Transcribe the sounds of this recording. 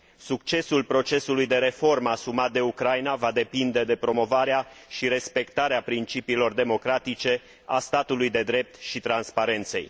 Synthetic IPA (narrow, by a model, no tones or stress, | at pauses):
sukt͡ʃe̞sulpɾo̞t͡ʃe̞sulujd̪e̞ɾe̞fo̞rməasumat̪̚d̪e̞ukɾajnavad̪e̞pind̪e̞d̪e̞pɾo̞mo̞vaɾeaʃiɾe̞spe̞kt̪aɾeapɾint͡ʃipiːlo̞rd̪e̞mo̞kɾat̪it͡ʃe̞ | ast̪at̪ulujd̪e̞d̪ɾe̞p̚t̪ʃit̪ɾanspaɾe̞nt̪se̞̰j